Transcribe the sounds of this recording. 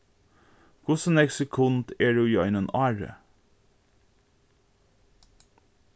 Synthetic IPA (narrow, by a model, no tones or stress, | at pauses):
kʰʊsən̩ɛksəkʰʊnt̪eːɖʉːiːɑɪnənɑːɹə̰